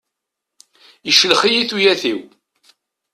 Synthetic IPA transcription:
iʃəlχijiθujæθiw

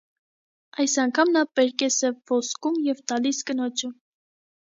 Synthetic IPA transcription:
ɑjsɑŋkʰɑmnɑpɛɾkɛsɛvɔskumjɛvt̪ɑliskənɔt͡ʃʰum

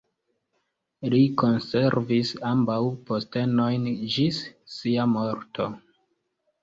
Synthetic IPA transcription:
likonse̞ɾvisambawpo̞ste̞no̞jnd͡ʒisːiamoɾto̞

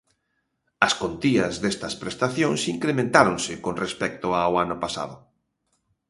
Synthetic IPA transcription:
ɐskont̪iɐzðest̪ɐspɾest̪aθjõŋsiŋkɾemẽnt̪aɾoŋsɪkonrespɛk̚t̪ʊaoanʊpasa̰ðʊ

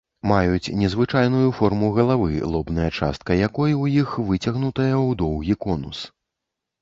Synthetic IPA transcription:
majut͡sʲnʲɛzvɨt͡ʂajn̪ujufɔrmuɣɐlˠavɨ̰lˠɔbnɐjɐt͡ʂa̰st̪̚kɐjakɔjwjixvɨt͡sʲɐɣnut̪ɐjɐwd̪ɔwɣʲikɔnṵs

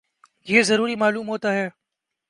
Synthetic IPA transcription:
jeːzəɾuːɾimaːluːmɦoːt̪aːɦɛː

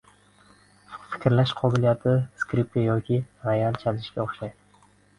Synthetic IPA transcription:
fɪ̥kʲɾlaʃqʰɒbɪlijat̪ʰɪskɾip̚kajɒkʲʰiɾejalt͡ʃʰazɪʃkʲaoχʃajd̪ɪ

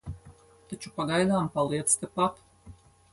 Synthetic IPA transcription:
t̪at͡ʃu̥paɡajd̪aːmpalˠiɛt̪st̪epat̪

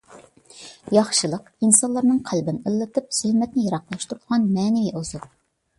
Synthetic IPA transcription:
jɑχʃɨlˠəq | insɑlˠɑɾnɨŋqʰælbɪnəlˠːɨt̪ɨp̚z̥ylmɛt̪nɪjɑɾɑqlˠɑʃt̪ʰuɾd̪ʁɑnmɛːnɪviʔoz̥ulˠ

